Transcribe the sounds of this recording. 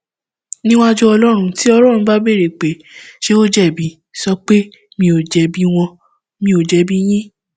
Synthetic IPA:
nĩ˦wa˦d͡ʒu˦ɔ˧lɔ˦ɾ̃ũ˧ti˦ɔ˧ɾɔ̃˦˨ũ˧˦ba˦be˦˨ɾe˨k͡pe˨˦ | ʃe˦o˦d͡ʒɛ˦˨bi˨˦ | sɔ˧k͡pe˦ | mĩ˧o˨d͡ʒɛ˨˦bi˦w̃ɔ̃˧ | mĩ˧o˨d͡ʒɛ˨˧bi˦j̃ĩ˦

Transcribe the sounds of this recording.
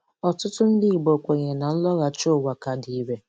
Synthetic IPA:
ɔ˨tʊ˦tʊ˦n̩˦dɪ˦i˨ɡ͡bo˨kʷe˨ɲe˨na˨n̩˦lɔ˦ɣa˨t͡ʃo˦˨wa˨ka˨di˨i˦ɾe˦

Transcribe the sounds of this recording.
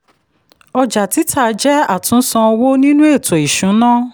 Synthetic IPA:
ɔ˧d͡ʒa˨ti˨˦tʰa˦˨˧d͡ʒɛ˦a˦˨tũ˨˦sã˧ɔ˧wo˦nĩ˦nũ˦e˦˨to˨i˨ʃũ˨˦nãː˦

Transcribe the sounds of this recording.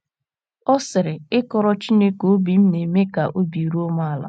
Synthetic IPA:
ɔ˦sɪ˨ɾɪ˨ɪ˦kɔ˦ɾɔ˦t͡ʃi˦ne˦ko˨˦bi˨m̩˦ne˨me˦ka˨ʔo˦bi˨ɾu˦o˦ma˦a˨la̰˨

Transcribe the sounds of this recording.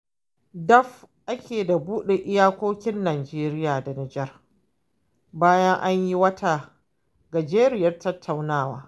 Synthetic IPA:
dɐ˦ɸʔa˦kʲʰeː˨da˨buː˦ɗe˨ʔɪ˦jaː˦kʷoː˦kʲɪ˦nːaː˨d͡ʒeː˦ɾɪ˦jaː˨da˨nɪ˨d͡ʒɛ˦r | baː˦jɐ˦ŋʔa˦ɲji˦wɐ˦taː˨ | ɡa˨d͡ʒeː˦ɾɪ˦jɐ˦rtɐ˦tʰːa˨wnaː˦˨waː˨˦

